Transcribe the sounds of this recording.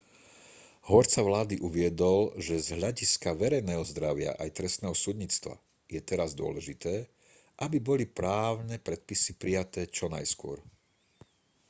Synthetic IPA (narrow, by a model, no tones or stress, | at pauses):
ɦɔɾt͡saʋlaːd̪iʔuʋɪɛd̪ɔlʒɛzɦʎaɟiskaʋɛɾɛjnɛːɦɔzd̪ɾaʋɪa̰ʔajt̪ɾɛst̪nɛːɦɔsud̪ɲiːt͡st̪ʋa̰ | jɛt̪ɛɾazd̪ʊɔ̰lɛʒit̪ɛː | ʔabibɔlipɾaːʊnɛpɾɛt̪̚pisipɾijat̪ɛːt͡ʃɔnajskʊɔ̰ɾ